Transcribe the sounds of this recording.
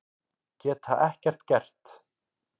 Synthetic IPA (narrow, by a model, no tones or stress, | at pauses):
cɛːt̪aʔɛhcɛr̥t̪cɛr̥t̪